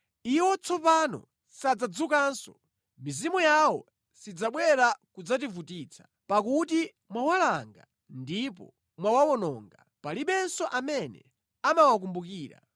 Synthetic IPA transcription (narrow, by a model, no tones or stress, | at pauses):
iwɔt͡sʰɔpanɔ̰ | sad͡zad͡zukaːnsɔ | mizimujawɔ | sid͡zaɓwɛɾakud͡zat̬ivutit͡sʰḁ | pakuti | mwawalaŋɡa̰ | ndip̬ɔ̰ | mwawawɔnɔŋɡa | paliɓɛnsɔʔamɛnɛ̰ | amawak̬umbukiːɾa̰